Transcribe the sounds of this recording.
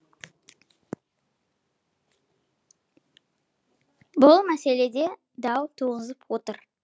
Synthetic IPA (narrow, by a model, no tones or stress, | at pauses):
bʊlˠmæse̞le̞d̪e̞ | d̪ɑwt̪ʰuʁəzəpwo̞t̪əɾ